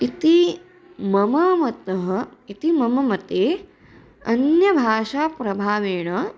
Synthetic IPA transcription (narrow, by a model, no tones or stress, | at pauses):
it̪i | mɐmɐmɐt̪ɐɦɐit̪imɐmɐmɐt̪eː | ɐnjɐbʱaːʂaːpɾɐbʱaːʋeːɳɐ